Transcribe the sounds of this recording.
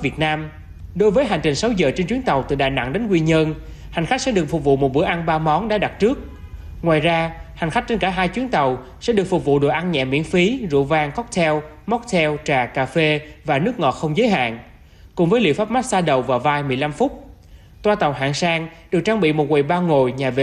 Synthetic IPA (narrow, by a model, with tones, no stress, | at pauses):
vi˨˩ət̚naː˧m | ɗo˧˦jvəː˨˦jɦa˨˩ŋ̟t͡ɕï˨˩ŋ̟sa˨˦wzəː˨˩t͡ɕe˧nt͡ɕwi˨˦ənt̪a˨˩wt̪ɨ̰˧˩ɗaː˨˩na̰˧˥ŋɗe˨˦nkwi˧ɲə˧n | ha˨˩jŋ̟xa˦˥k̟̚sɛ̰˧˥ɗɨ˨˩ək̚fʊ˨˩k͡p̚vṵ˧˨mo˨˩ɓɨ̰˧˩əʔa˧nɓaː˧mɔ˨˦nɗa̰ː˧˥ɗa˨˩t̚t͡ɕɨ˦˥ək̚ | ŋwaː˨˩jzaː˧ha˨˩ŋ̟xa˦˥k̚t͡ɕe˧nkaː˧˩ɦaː˧jt͡ɕwi˨˦ənt̪ə˨˩w | sɛ̰˧˥ɗɨ˨˩əkfʊ˨˩k̚vṵ˧˨ɗo̰˧˩jʔa˧nɲɛ̰˧˨mḭ˧˥ənfi˨˦zṵ˧˨vaː˧ŋkɔ˦˥k͡p̚t̪ʰɛ˧w | mɔ˦˥k͡p̚t̪ʰɛ˧wt͡ɕaː˨˩kaː˧˩fe˧vaː˨˩nɨ˦˥ək̚ŋɔ˨˩t̚xə˧wŋ͡mzəː˨˦jɦa̰ː˧˨n | kʊ̰˧˩ŋ͡mvəː˨˦jlḭ˧˨əfaː˦˥p̚ma˦˥t̚saː˧ɗə˨˩wvaː˨˩wvaː˧jmɨ˨˩əjla˧mfʊ˦˥k͡p̚ | t̪waː˧t̪a˨˩wɦa̰ː˧˨ŋsaː˧ŋɗɨ˨˩ək̚t͡ɕaː˧ŋɓḭ˧˨mo˨˩t̚kwe˨˩jɓaː˧ŋo˨˩jɲaː˨˩vḛ˧˨